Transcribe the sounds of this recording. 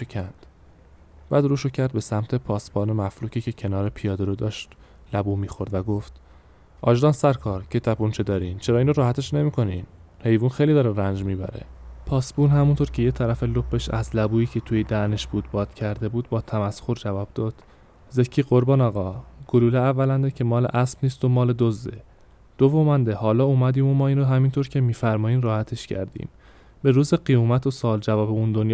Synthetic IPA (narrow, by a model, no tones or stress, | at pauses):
ecʰænd̪̥ | b̥æːd̪ɾuːʃocʰæɾd̪̚be̞sæmt̪ʰe̞pʰɒːsbɒːnemæfɾuːcʰiːcʰecʰe̞nɒːɾepʰijɒːd̪eɾod̪ɒːʃt̪ | læbuːmiːxoɾd̪væɡoft̪ | ʔɒːʒd̪ɒːnsæɾkʰɒːɾcʰet̪ʰæpunt͡ʃʰed̪ɒːɾiːnt͡ʃʰeɾɒːinɾoɾɒːhæt̪ʰe̞ʃne̞miːkʰo̞niːn | he̞jvuːnxejliːd̪ɒːɾeɾænd͡ʒmiːbæ̰ɾḛpʰɒːsbuːnɦæmunt̪ʰoɾcʰe̞jet̪ʰæɾæfelop̚beʃæ̰zlæbuːiːcʰe̞t̪ʰujed̪æne̞ʃbuːd̪bɒːd̪̥cʰæɾd̪e̞buːd̪bɒːt̪ʰæmæsxoɾd͡ʒævɒːb̥̚d̪̥ɒːd̪̥ | zecʰːiːɢoɾbɒːnɒːɣɒːɡ̥oluːleævːælænd̪ecʰe̞mɒːleʔæsb̥niːst̪omɒːle̞d̪ozd̪ḛ | d̪̥ovomænd̪ehɒːlɒːumæd̪iːmomɒːiːnɾoɦæmiːnt̪ʰoɾcʰe̞miːfæɾmɒːiːnɾɒːhæt̪ʰe̞ʃcʰæ̰ɾd̪ḭːm | be̞ɾuːzeɢijuːmæt̪ʰosɒːld͡ʒævɒːbeund̪onj